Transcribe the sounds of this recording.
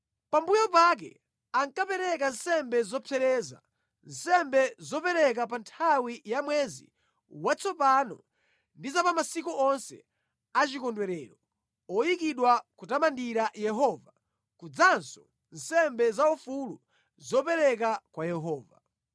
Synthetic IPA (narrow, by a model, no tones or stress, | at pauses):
pambujɔp̬ak̬ɛ̰ | aŋkapɛɾɛk̬ansɛmbɛzɔpʰɛɾɛːza̰ | nsɛmbɛzɔpɛɾɛk̬ap̬antʰawijamwɛzḭ | wat͡sʰɔpanɔ̰ | ndizapamasikuɔnsɛ̰ | at͡ʃikɔndwɛɾɛːɾɔ | ɔjikiɗwakutamandiɾajɛɦɔva | kud͡zansɔ | n̩sɛmbɛzaufulu | zɔpɛɾɛkakwajɛɦɔːva